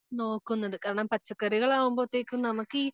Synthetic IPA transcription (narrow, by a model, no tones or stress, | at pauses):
noːkːɯnːɐðɯkaːɾɐnaːpɐt͡ʃːɐkːɐɾɪɣɐɭãːʋʊmbot̪ːekːɯmnɐmɐkːɯ